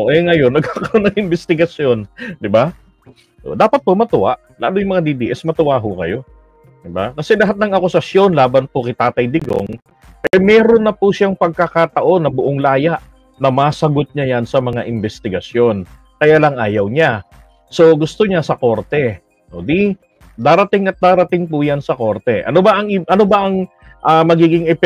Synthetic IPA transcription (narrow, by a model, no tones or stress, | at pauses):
ʔoʔɛŋɐjo̞nːɐɡ̚kakonɐŋɪmbɛst̪ɪɡɐsjo̞nd̪ɪba | d̪aːpɐt̪̚pomɐt̪ʊʔaʔ | la̰ːlʊjʊŋmɐŋad̪id̪iʔɛsmɐt̪ʊwaːɦokɐjo̞ | d̪ɪbakɐsɛlɐɦat̪̚nɐŋɐkʊsɐsjo̞nlaːbɐnpʊkɐt̪aːt̪ɐjd̪ɪɡo̰ŋ | ʔɛmɛːɾo̞nːɐpusaŋpɐɡ̚kakat̪ɐʔo̞nːɐbʊʔoŋlaːjaʔ | nɐmaːsɐɡot̪̚ɲajansɐmɐŋaʔɪmbɛst̪ɪɡɐsjo̞n | kɐjaːlɐŋʔaːjɐwɲa | so̞ɡʊst̪oɲasɐko̞ɾt̪ɛ | ʔoːd̪i | d̪aːɾɐt̪ɪŋɐt̪̚d̪aːɾɐt̪ɪŋpʊjansɐko̞ɾt̪ɛʔɐ̰nobɐʔɐŋɪʔɐno̞bɐʔɐŋ | ʔamɐɡiːɡɪŋɛ